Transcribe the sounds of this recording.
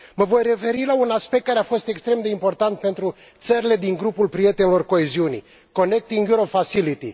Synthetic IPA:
məvo̞jre̞fe̞ɾilaunaspek̚t̪̚kaɾe̞afo̞st̪e̞kst̪ɾemd̪e̞impo̞rt̪ant̪̚pe̞nt̪ɾu | t̪səɾile̞d̪iŋɡɾupulpɾije̞t̪enilo̞rko̞eziunḭ | ko̞ne̞k̚t̪iŋɡjuɾofasilit̪ḭ

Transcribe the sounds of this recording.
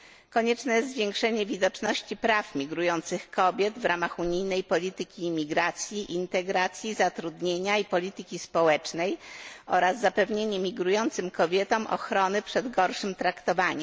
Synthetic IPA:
kɔɲɛt͡ʂnɛjɛzzvʲjeŋkʂɛɲɛvʲid̪ɔt͡ʂnɔɕt͡ɕipɾafmʲiɡɾujɔnt̪sɘxkɔbʲjɛd̪vɾamaxuɲijnɛjpɔlʲit̪ɘkʲiːmʲiɡɾat̪sʲjiʔint̪ɛɡɾat̪sʲjizat̪ɾud̪ɲeɲaipɔlʲit̪ɘkʲispɔwɛt͡ʂnɛjɔɾazːapɛvɲeɲɛmʲiɡɾujɔnt̪sɘmkɔbʲjɛt̪ɔmʔɔ̰xɾɔnɘpʂɛd̪ɡɔɾʂɘmt̪ɾakt̪ɔvaɲɛm

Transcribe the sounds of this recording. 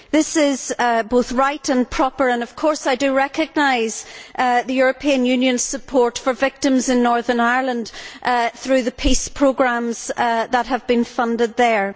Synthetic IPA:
ðɪsɪz̥boθɹaɪtə̃npʰɹ̥ɔpə˞ə̃nʌv̥kʰɔɹsaɪdɨɹɛkɨɡ̚naɪz̥ðɨjʊɹəpʰiə̃njʉ̃njɨ̃nz̥səpʰɔɹtfə˞vɪk̚tɨ̃mzɪ̃nːɔɹðə˞naɪ˞lˠə̃nd̥θɹʉðəpʰispʰɹ̥oɡɹãmz̥ðət̚ɦəvbĩnfʌ̃ndɪd̪̚ðə˞

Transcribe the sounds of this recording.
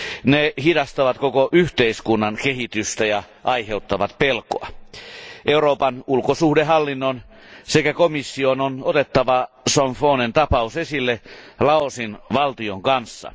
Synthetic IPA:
nehidɑst̪ɑʋɑt̪kokoʔyht̪eiskunːɑnkehit̪yst̪æjɑ | ʔɑiheut̪ːɑʋɑt̪pelkoɑ̰ | ʔeuroːpɑnulkosuhdeɦɑlːinːon | sekækomisːiononot̪et̪ːɑʋɑsoɱfoːnent̪ɑpɑusesilːelɑosinʋɑlt̪ioŋkɑnsːɑ̰

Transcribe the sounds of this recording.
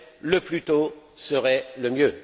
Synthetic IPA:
ləplyt̪osəʁɛləmjø

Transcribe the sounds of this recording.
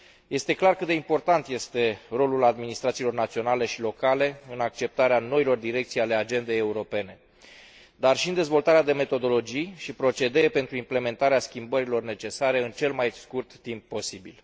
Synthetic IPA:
je̞st̪e̞klarkɨt̪d̪eimpo̞rt̪ant̪je̞st̪e̞ro̞lulad̪minist̪ɾat̪silo̞rnat̪sio̞nale̞ʃilo̞kale̞ɨnak̚t͡ʃe̞p̚t̪aɾeano̞ilo̞rd̪iɾe̞k̚t̪sijale̞ad͡ʒe̞nd̪e̞jeuɾo̞pe̞ne̞ | d̪arʃiɨnd̪e̞zvo̞lt̪aɾead̪e̞me̞t̪o̞d̪o̞lo̞d͡ʒijʃipɾo̞t͡ʃe̞d̪epe̞nt̪ɾuimple̞me̞nt̪aɾeaskʲimbəɾilo̞rne̞t͡ʃe̞saɾe̞ɨnt͡ʃe̞lmajskurt̪ːimp̚ːo̞sibil

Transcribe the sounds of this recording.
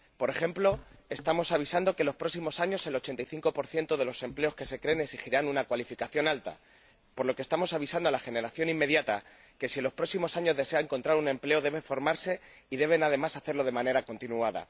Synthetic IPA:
po̞ɾe̞xe̞mplo̞e̞st̪amo̞saβ̞isand̪o̞kelo̞spɾo̞ksimo̞saɲo̞se̞lo̞t͡ʃent̪ajθiŋko̞po̞ɾθje̞nt̪oðe̞lo̞se̞mple̞o̞ske̞se̞kɾe̞ːneksixiɾanunakwalifikaθjo̞nalt̪a̰ | po̞ɾlo̞ke̞st̪amo̞saβ̞isand̪oalaxe̞ne̞ɾaθjo̞nimːe̞ðjat̪a | ke̞sielo̞spɾo̞ksimo̞saɲo̞zðe̞se̞aeŋko̞nt̪ɾaɾunẽ̞mple̞o̞ðe̞βe̞ɱfo̞ɾmaɾse̞ | iðe̞β̞e̞nað̞e̞masaθe̞ɾlo̞ð̞e̞mãne̞ɾako̞nt̪inuaða̰

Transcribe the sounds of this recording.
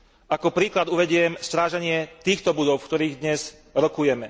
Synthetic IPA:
ʔakɔpɾiːklad̪uʋɛɟɪɛmst̪ɾaːʒaɲɪɛt̪iːxt̪ɔbud̪ɔʊfkt̪ɔɾiːɣd̪ɲɛz | ɾɔkujɛmɛ

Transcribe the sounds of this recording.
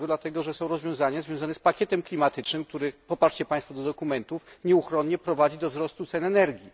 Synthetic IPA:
ɡɔd̪lat̪ɛɡɔʐɛsɔ̃w̃ɾɔzvʲjɔ̃w̃zaɲazvʲjɔ̃w̃zanɛspakʲjɛt̪ɛmklʲimat̪ɘt͡ʂnɘmk̚t̪uɾɘpɔpaʂt͡ɕɛpãj̃st̪fɔd̪ɔd̪ɔkumɛnt̪ufɲɛuxɾɔnɲɛpɾɔvad͡ʑid̪ɔvzɾɔst̪ut̪sɛnɛnɛɾɡʲi

